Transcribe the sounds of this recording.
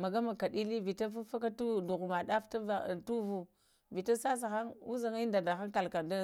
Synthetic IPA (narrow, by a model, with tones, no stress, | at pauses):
ma˨ɡa˦ma˨ka˨ɗi˦li˦vi˨ta˦fa˦fa˦ka˦tu˦du˨ɣma˨ɗa˦fta˦va˨tu˦vu˦ | vi˨ta˦sa˦s̬a˨xa˦ŋu˦za˨ŋi˦nda˨da˨xa˦ŋka˨lka˨da˦